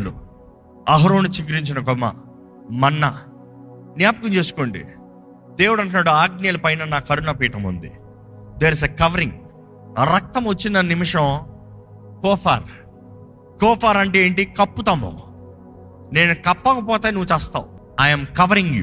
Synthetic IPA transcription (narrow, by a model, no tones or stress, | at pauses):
lṵ | ɐɦɐɾoːnut͡ʃiɡɾiɲt͡ʃinɐk̬ɔmːɐ̰ | mɐnːɐ | njaːpɐkuɲt͡ʃe̞ːsu̥koːɳɖḭ | d̪e̞ːwuɽɐɳʈunaːɽuaːɡ̚nijɐlupɐjnɐnaːkɐɾunɐpiːʈɐmṵnd̪ḭ | d̪eːɾs̬ekɐʋɐɾiŋ | ɾɐk̚t̪ɐmʋot͡ʃːinɐnimiʂɐ̃m | kɔːpʰa̰ːɾ | kɔːpʰaːɾɐɳʈeeːɳʈikɐpːut̪ɐmo̰ | ne̞ːnukɐpːɔkɐpɔːt̪eːnuʋːut͡ʃɛːst̪a̰ːwu | ajɐmkɐʋɐɾiŋɡjṵ